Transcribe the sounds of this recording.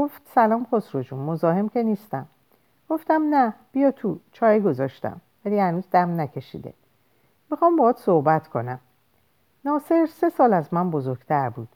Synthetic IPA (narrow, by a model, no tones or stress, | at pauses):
ɡo̞ft̪sælɒːmxosɾo̞d͡ʒunmo̞zɒːhe̞mce̞niːst̪æm | ɡ̥o̞ft̪æmnæb̥ijɒːt̪ʰut͡ʃʰɒːjiɡo̞zɒːʃt̪æ̰mvæliːhænuːzd̪æmnæcʰe̞ʃḭːd̪e̞̰ | mixɒːmbɒːt̪so̞hbæt̪ʰkʰo̞næm | nɒːse̞ɾse̞sɒːlæzmænbo̞zo̞ɾɡ̥t̪ʰæɾbuːd̪̥